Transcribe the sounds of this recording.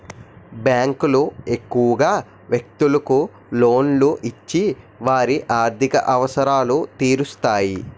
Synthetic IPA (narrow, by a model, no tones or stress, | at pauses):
bjaːŋkulue̞kːuʋɐɡaː | ʋjek̚t̪ulɐku | lo̞ːnluʔit͡ʃːi | ʋaːɾiʔaːɾt̪ʰikɐ̰ʔɐʋɐsɐɾaːlut̪iːɾust̪aːji